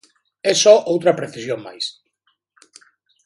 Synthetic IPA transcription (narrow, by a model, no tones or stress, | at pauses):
ɛsɔʔowt̪ɾɐpɾeθisjoŋma̰js